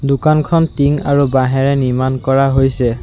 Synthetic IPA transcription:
dukankʰɔntiŋa̰ɹubaɦɛɹɛniɹmankɔɹaɦojsɛ

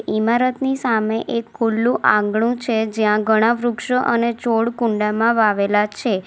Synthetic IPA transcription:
ʔimaɾət̪nisameʔekʰːulːũʔãŋɡɳ̃ũt͡ʃʰed͡ʒjãɡʱəɽ̃aʋɾukʃəʔənet͡ʃoɽkũɳɖamãʋaʋelat͡ʃʰe

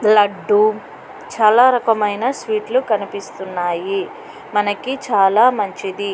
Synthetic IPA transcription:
lɐɖːu | t͡ʃaːlaːɾɐkɐmɐjnasʋiːʈlukɐnipist̪unːaːji | mɐnɐkit͡ʃaːlaːmɐɲt͡ʃid̪i

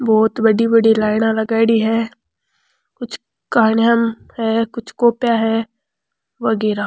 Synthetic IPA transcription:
bɔːt̪bɐɽibɐɽilaːɪnalɐɡaːɪɽiɦɛː | kʊt͡ʃʰ | kaːnjam | hɛkʊt͡ʃʰkoːpjaɦɛ | ʋɐɡɛːɾa

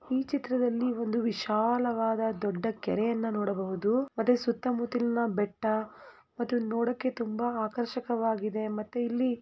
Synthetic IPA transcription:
iːt͡ʃit̪ɾɐd̪ɐlːio̞nd̪uʋiʃaːlɐʋaːd̪ɐd̪ɔɖːɐkɛ̰ɾɛjɐnːɐnɔːɽɐbɐɦud̪umɐt̪ːusut̪ːɐmut̪ilnɐbɛʈːɐ | mɐt̪ːunoːɽɐkːe̞t̪umbɐaːkɐɾʃɐkɐʋaːɡid̪e̞mɐt̪ːuilːi

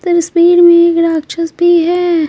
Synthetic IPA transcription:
t̪əɾspiːɽmẽeːkɾaːkt͡ʃʰɐsbʱiɦɛː

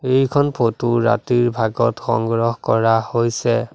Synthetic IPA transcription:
ejkʰɔnpʰotuɹa̰tiɹbʱaɡɔtxɔ̰ŋɡɹɔhkɔɹahojsɛ

